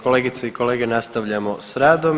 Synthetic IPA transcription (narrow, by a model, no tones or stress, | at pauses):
koleːɡit̪seiko̞le̞ːɡe̞nast̪aʋʎamo̞sɾaːd̪o̞m